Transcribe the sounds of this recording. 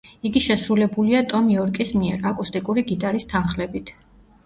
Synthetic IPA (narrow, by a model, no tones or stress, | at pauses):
iɡiʃɛsɾulɛbuliat̪ʼɔmjɔɾkʼismiɛ̰ɾakʼust̪ʼikʼuɾiɡit̪ʼaɾist̪ʰanχlɛbit̪ʰ